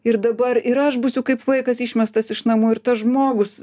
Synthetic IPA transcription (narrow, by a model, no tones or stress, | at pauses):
ɪrd̪ɐbɐɾɪɾɐʃbusʲʊkɐɪpʋɐɪkɐsɪʃʲmʲɛst̪ɐsɪʃnɐmuːɪrt̪ɐsʒmoːɡʊs